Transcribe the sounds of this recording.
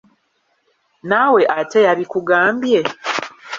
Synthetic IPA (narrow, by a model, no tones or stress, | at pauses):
naːwe̞ʔate̞jaβikuɡaːmbje̞